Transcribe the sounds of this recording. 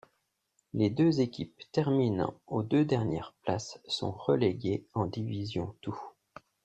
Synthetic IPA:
led̪øzekʲipt̪ɛʁminɑ̰̃od̪ød̪ɛʁnjɛ̰ʁpla̰sːɔ̰̃ʁəleɡʲeɑ̃d̪ivizjɔ̃t̪u

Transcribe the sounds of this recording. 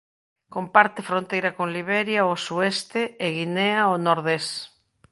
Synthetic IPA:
kompaɾt̪efɾõnt̪ejɾakoŋliβɛɾjaosuɛst̪eːɣineaonoɾðes

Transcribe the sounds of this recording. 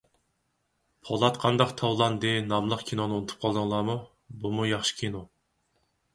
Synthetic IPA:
pʰolˠɑt̪qʰɑnd̪ɑqt̪ʰɑwlˠɑnd̪ɨnɑmlˠəqkʲʰinonɨunɨt̪ʰu̥p̚qʰɑlˠd̪ɨŋlˠɑːmu | bumujɑχʃi̥kʲʰino

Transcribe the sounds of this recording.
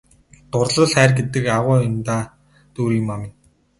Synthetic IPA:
t̪ʊrɮə̆ɮχæːrɡet̪ɘ̆kaʁʊːʊnt̪aː | t̪uːɾiːŋmamɪ̆n

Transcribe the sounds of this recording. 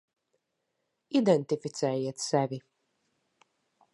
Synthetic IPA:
id̪ɛnt̪ifit̪sɛːjiɛt̪sɛvʲi

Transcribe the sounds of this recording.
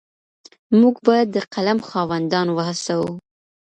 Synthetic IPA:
muɡbɑjad̪ːəqalamxɑwand̪ɑnowahəsawu

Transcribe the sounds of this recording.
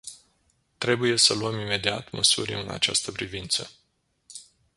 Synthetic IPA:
t̪ɾe̞buje̞səluəmime̞d̪iat̪məsṵɾʲɨna̰t͡ʃa̰st̪əpɾivint̪sə

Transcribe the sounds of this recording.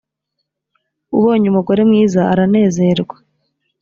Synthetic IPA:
uβo̞ːɲumuɡo̞ɾe̞mŋiːzaa̰ɾane̞ːze̞ɾɡwa

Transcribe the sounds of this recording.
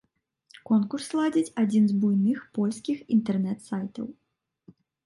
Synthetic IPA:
kɔnkurslˠad͡zʲit͡sʲad͡zʲinzbujnɨxpɔlʲsʲkʲixint̪ɛrnɛt̪sajt̪ɐ̰w

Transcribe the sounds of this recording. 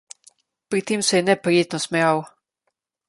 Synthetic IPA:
pɾit̪eːmsɛjɛnɛpɾijeːt̪nɔsmɛjaːw

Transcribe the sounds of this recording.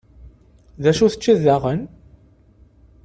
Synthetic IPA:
ðæʃuθə̥t͡ʃːiðaʁən

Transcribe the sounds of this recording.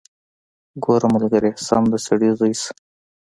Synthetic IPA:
ɡoɾamalɡaɾesɑ̰md̪əsaɽiɣis

